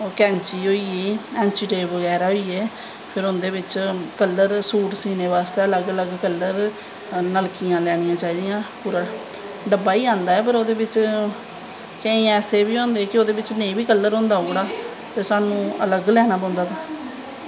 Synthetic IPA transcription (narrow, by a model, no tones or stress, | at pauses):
kɛ̃ːnt͡ʃiːɦoːiːiːɛ̃ːnt͡ʃiːʈeːʋəɡɛːɾaːɦoːiːɛː | pʰɪɾʊnd̪eːʋɪt͡ʃkəlːəɾsuːʈsiːneːʋaːst̪eːələɡələɡkəlːəɾ | nəlkɪjãːlɛːɽ̃ɪjãːt͡ʃaːiːd̪ijãːpuɾa | ɖəbaːiːãːnd̪aːɛːp̬əɾoːd̪eːʋɪt͡ʃ | kẽːĩːãɛːseːbiːɦõːnd̪eːkɪoːd̪eːʋɪt͡ʃnẽĩːbiːkəlːəɾɦõːnd̪aːoːɽaː | t̪eːsaːnũːələɡlɛːɽ̃aːpɔ̃ːnd̪aːt̪aː